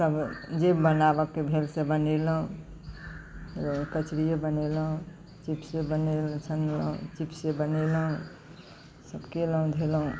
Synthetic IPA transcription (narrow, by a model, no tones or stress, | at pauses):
t̪əbd͡ʒebənabəkːebʱelsebəneləɦũ | kət͡ʃɾijebəneləɦũ | t͡ʃipsebənelt͡ʃʰənləɦṵ̃t͡ʃipsebəneləɦũ | səbkeləɦũd̪ʱelɦũ